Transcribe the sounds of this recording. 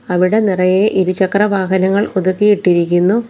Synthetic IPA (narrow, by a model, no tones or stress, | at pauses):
ɐʋiɽe̞nirɐjeʔiɾut͡ɕɐkrɐʋaːɦɐnɐŋːɐɭoðukːijiʈːiɾikʲːunːu